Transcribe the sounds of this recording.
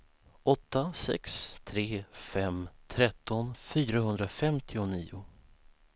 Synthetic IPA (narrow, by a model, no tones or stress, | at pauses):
ʔɔt̪ːasɛ̰kst̪ʰɾeːfɛmt̪ʰɾɛt̪ːɔnfyːɾaɦɵnd̪ɾafɛmt̪ʰɪʊniːʊ